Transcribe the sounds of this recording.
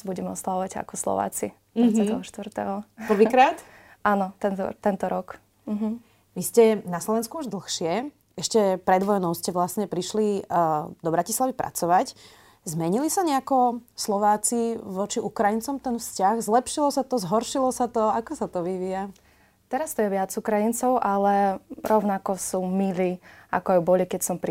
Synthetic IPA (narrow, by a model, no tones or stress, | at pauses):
buɟɛmɛɔ̰slaʋɔʋaca̰kɔslɔ̰ʋa̰ːt͡sḭ | ɛt̪ɔɦɔʃt̪ʋrt̪ɛ̰ɦɔpr̩ʋiːkɾaːt̪ | anɔt̪ɛnt̪ɔ̰t̪ɛnt̪ɔɾɔk | m̩ɦ̩ | ʋiscɛnaslɔʋɛnskuuʒd̪l̩xʃɪɛ | ɛʃcɛpɾɛd̪ʋɔjnɔʊscɛʋlasɲɛpɾiʃli | d̪ɔbɾacislaʋipɾʔa̰t͡sɔʋac | zmɛɲilisaɲɛakɔslɔʋaːt͡siʋɔt͡ʃiʔukɾajint͡sɔmt̪ɛnfscaɣzlɛpʃilɔsat̪ɔzɦɔɾʃilɔsat̪ɔakɔsat̪ɔʋiʋia | t̪ɛɾast̪ɔjɛʋɪad͡zukɾajint͡sɔʊʔalɛɾɔʊnakɔsuːmiliːa̰kɔajubɔlikɛcsɔmpɾ